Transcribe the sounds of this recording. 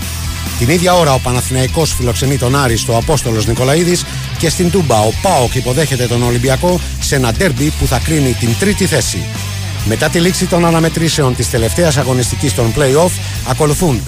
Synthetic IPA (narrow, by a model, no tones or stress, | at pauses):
t̪iniðʝɐo̞ɾɐo̞pɐnɐθinɐiko̞sfilo̞kse̞nit̪o̞nɐɾist̪oɐpo̞st̪o̞lo̞zniko̞lɐiðis | ce̞st̪ind̪ubɐo̞pɐokipo̞ðe̞çe̞t̪e̞t̪o̞no̞limbiɐko̞ | se̞nɐd̪e̞ɾbipuθɐkɾinit̪int̪ɾit̪iθe̞sḭ | me̞t̪ɐt̪iliksit̪o̞nɐnɐme̞t̪ɾise̞o̞nt̪ist̪e̞le̞ft̪e̞ɐsɐɣo̞nist̪icist̪o̞mple̞jo̞f | ɐko̞luθun